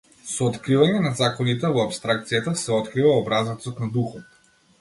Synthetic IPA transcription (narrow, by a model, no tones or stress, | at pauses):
sɔːt̪kɾivaɲɛnazakɔnit̪ɛvɔapst̪ɾak̚t̪sijat̪asɛɔt̪kɾivaɔbɾazat̪sɔt̪nad̪uxɔt̪